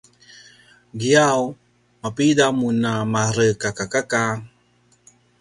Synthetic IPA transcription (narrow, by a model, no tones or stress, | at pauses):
ɡiaw | mapidamunamaɾəkakakaka